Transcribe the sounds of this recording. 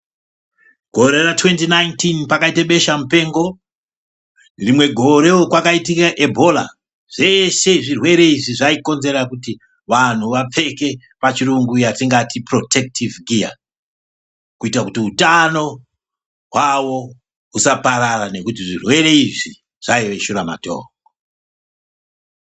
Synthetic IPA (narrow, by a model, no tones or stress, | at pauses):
ɡ̥ʱo̞ɾe̞ratwe̞ntinajntinpakaiteɓe̞ʃamupe̞ːŋɡo̞ | rimwe̞ɡʱo̞ɾe̞okwakaitikaʔe̞bʱo̞la̰ | ʐ̥e̞ʃe̞ʐirwe̞ɾe̞iʐiʐaiko̞nze̞ɾakuti | ʋan̤uʋap͡fe̞ke̞ | pat͡ʃiruŋɡujatiŋɡatipro̞te̞k̚tivɡija̰ | kuitakutiutano̞ | ɦwawo̞ | usapaɾarane̞kutiʐirwe̞ɾe̞iʐi | ʐ̥aiʋe̞ʃuɾama̰to̰ː | o